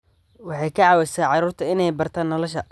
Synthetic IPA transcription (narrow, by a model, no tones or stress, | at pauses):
wɑħɑjkʰɐʕɑːwɛsaːʕɑɾuːrt̪ʰɐɪnɛjbɐrt̪ʰaːnːɔlɔʃɐ